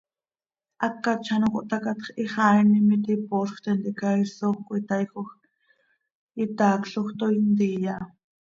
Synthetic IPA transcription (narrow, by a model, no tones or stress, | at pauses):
ʔakːat͡ʃʰanoko̰ʔt̪akat̪χiχaːjnimit̪iposχʷt̪ɛnt̪iʔkaisoxkoit̪ajxox | it̪aːkɬoχt̪oint̪ijaʔ